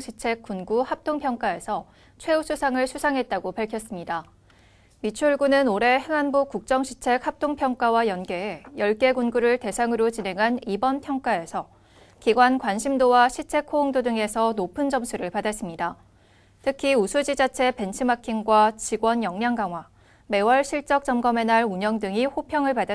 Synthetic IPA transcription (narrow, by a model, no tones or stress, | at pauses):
ɕʰit͡ɕʰe̞k̚k͈unɡuhap̚t͈oŋpʰjʌŋk͈ae̞sʰʌ | t͡ɕʰwe̞usʰusʰaŋɯɭsʰusʰaŋɦe̞t̚t͈aɡopaɭkʰjʌs͈ɯmɲida | mit͡ɕʰuɭɡunɯnoɾe̞he̞ŋanbukuk̚t͡ɕ͈ʌŋɕʰi̥t͡ɕʰe̞khap̚t͈oŋpʰjʌŋk͈awajʌnɡe̞ːjʌɭk͈e̞ɡunɡuɾɯɭte̞sʰaŋɯɾot͡ɕine̞ŋɦanibʌnpʰjʌŋk͈ae̞sʰʌ | kiɡwankwanɕʰimdowaɕʰit͡ɕʰe̞kʰooŋdodɯŋe̞sʰʌnopʰɯnd͡ʑʌmsʰuɾɯɭpadas͈ɯmɲida | tʰɯkʰiusʰud͡ʑid͡ʑat͡ɕʰe̞pe̞nt͡ɕʰimakʰiŋɡwat͡ɕiɡwʌnjʌŋɲaŋɡaŋɦwa | me̞wʌɭɕʰiɭt͡ɕ͈ʌk̚t͡ɕ͈ʌmɡʌme̞naɭuɲʌŋdɯŋiɸopʰjʌŋɯɭpada